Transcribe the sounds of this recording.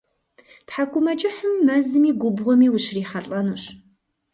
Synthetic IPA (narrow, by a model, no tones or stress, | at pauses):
tħakʷʼʊmɐt͡ʃʼɪħəmːɐzɨmiːɡʷʊbʁʷʊmiːwʊɕriːħɐɬʼɐnuːɕ